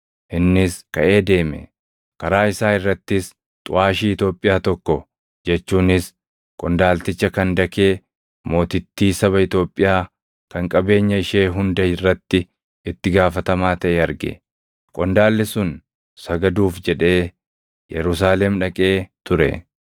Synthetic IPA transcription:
ʔɪnːɪskɐʔe̞ːd̪e̞ːmɛ̰ | kɐɾaːɪsaːɪrːɐt̪ːɪs | t̪ʼʊ̰ʔaːʃiːɪt̪o̞ːpʼːɪjaːt̪ɔkːɔ | d͡ʒɛt͡ʃːuːnɪs | kʼɔnd̪aːlt̪ɪt͡ʃːɐkɐnd̪ɐke̞ː | mo̞ːt̪ɪt̪ːiːsɐβɐɪt̪o̞ːpʼːɪjaː | kɐŋkʼɐbe̞ːɲːɐɪʃeːɦʊnd̪ɐɪrːɐt̪ːɪ | ɪt̪ːɪɡaːfɐt̪ɐmaːt̪ɐʔɛɐɾɡɛ̰ | kʼɔnd̪aːlːɪsʊn | sɐɡɐd̪uːfd͡ʒɛᶑe̞ː | jʔɛɾʊs̬aːlɛmᶑɐkʼe̞ːt̪ʊɾɛ̰

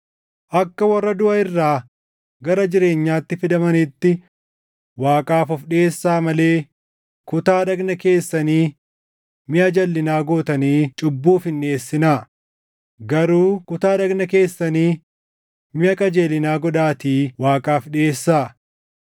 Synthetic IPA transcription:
ʔɐkːɐwɐrːɐd̪ʊʔɐɪrːaː | ɡɐɾɐd͡ʒɪɾe̞ːɲːaːt̪ːɪfɪd̪ɐmɐnɪt̪ːɪ | waːkʼaːfɔfɗɪe̞ːsːaːmɐle̞ː | kʊt̪aːᶑɐɡnɐke̞ːsːɐniː | mɪʔɐd͡ʒɐlːɪnaːɡoːt̪ɐniːt͡ʃʼʊbːuːfɪnːe̞ːsːɪnaː | ɡɐɾuːkʊt̪aːɗɐɡnɐke̞ːsːɐniː | mɪɐkʼɐd͡ʒeːlɪnaːɡɔᶑaːt̪iːwaːkʼaːfᶑɪeːsːaː

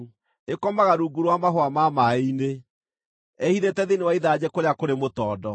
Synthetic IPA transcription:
ekɔmaɣaɾuɡuɾwamaɦwamamaine | ɛhiðetɛðenewaiðad͡ʑekoɾeakoɾemotɔːdɔ

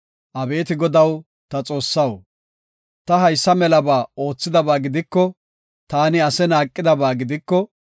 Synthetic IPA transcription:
ʔɐbe̞ːt̪ɪɡɔd̪ɐw | t̪ɐt͡sʼo̞ːsːɐw | t̪ɐɦɐjsːɐmɛlɐbaːo̞ːt͡sːɪd̪ɐbaːɡɪd̪ɪkːɔ | t̪aːnɪɐsɛnaːkʼːɪd̪ɐbaːɡɪd̪ɪkːɔ

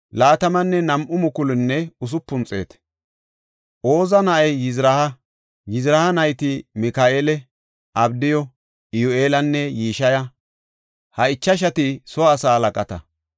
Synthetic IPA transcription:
laːt̪ɐmɐnːɛnɐmʔʊmʊkʊlɪnːɛʊs̬ʊpːʊnt͡sʼe̞̰ːt̪ | ʔo̞ːzɐnɐʔɐjːɪzɾɐhɐ | jɪzɾɐhɐnɐjt̪ɪmɪkaːʔeːlɛ | ʔɐbd̪ɪjɔ | ɪjʊʔeːlɐnːɛjiːʃɐjɐ | hɐɪt͡ʃːɐʃ̬ɐt̪ɪsɔɐsaːlɐkʼɐt̪ɐ̰

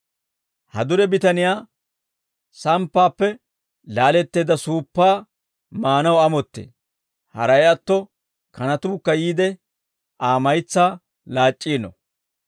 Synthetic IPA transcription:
hɐ̰d̪ʊɾɛbɪt̪ɐnɪjaː | sɐmpːaːpːɛ | laːlɛt̪ːeːd̪ɐsuːpːaː | maːnɐwɐmɔt̪ːḛː | hɐ̰ɾɐjɐt̪ːɔ | kɐnɐt̪uːkːɐjiːd̪ɛ | aːmɐjt͡sːaː | laːt͡ʃʼːiːnɔ̰

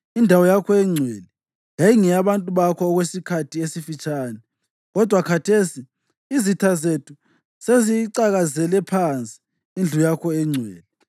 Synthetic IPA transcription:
indʱawɔjakʰɔɛŋ͡ǀʱwɛlɛ | jajiŋɛaβantʼuβakʰɔːɣwesikʰatʰiesifit͡ʃʼaːnɛ | ɣɔd̥ʱwakʰatʰesi | izitʰazetʰu | seziǀaɣazɛlɛpʰant͡sʼi̥ | ind͡ɮʱujakʰɔɛŋ͡ǀʱwɛ̰ːlɛ

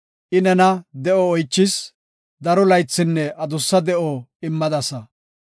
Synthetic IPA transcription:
ʔɪnɛnɐd̪ɛʔɔːjt͡ʃːɪs | d̪ɐɾɔlɐjt͡sːɪnːɛʔɐd̪ʊsːɐd̪ɛʔɔɪmːɐd̪ɐsɐ

